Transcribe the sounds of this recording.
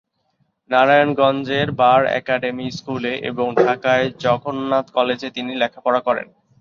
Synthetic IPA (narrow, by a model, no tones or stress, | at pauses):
naɾajonɡɔnd͡ʑeɾbaɾɛ̰kaɖemiskuleʔḛboŋɖʱakaed͡ʑɔɡʰʱonːat̪kɔled͡ʑet̪inilɛkʰapɔɾakɔɾḛn